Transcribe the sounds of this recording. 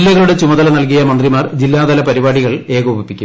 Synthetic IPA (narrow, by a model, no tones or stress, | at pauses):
lːɐɣɐɭuɽe̞t͡ɕumɐðɐlɐnɐlk̬ijɐmɐnd̪rimaːrd͡ʑilːaːd̪ɐlɐpɐɾibaːɽiɣɐɭe̞ːɣoːbipːikʲːu